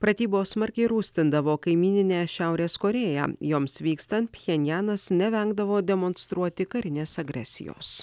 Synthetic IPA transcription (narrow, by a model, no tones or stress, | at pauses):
pɾɐt̪ʲiːboːsmɐɾʲkʲɛɪɾuːsʲt̪ʲɪnd̪ɐʋoːkɐɪmʲiːnʲɪnʲeːʃʲæʊɾʲeːskoːɾʲeːjæ̰ːjoːmsʋʲiːkst̪ɐnt̪̚pʲxʲɛnʲjæːnɐsnʲɛʋʲɛŋɡd̪ɐʋoːd̪ʲɛmonst̪ɾuɔt̪ʲɪkɐɾʲɪnʲeːsɐɡɾʲɛsʲɪ̰jo̰ːs